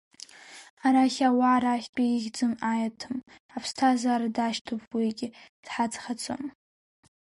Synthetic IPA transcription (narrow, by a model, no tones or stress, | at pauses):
aɾaχʲawaːɾaːχʲt͡pʲʼaiɣʲd͡zʼɨmajatʰɨm | apʰstʰazaːɾadaʃtʰopʰʼwiɡʲɪd̥ħad͡zχat͡sʰʼo̰m